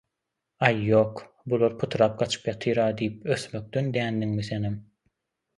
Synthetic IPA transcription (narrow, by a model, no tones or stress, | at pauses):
ɑjːoːq | bulˠoɾpʰut̪ʰɾɑːp̚ɡɑt͡ʃʰɯ̥pjɑt̪ʰɯjɾɑːd̪ijipøθmø̞k̚t̪ønd̪æːnd̪iŋmiθenem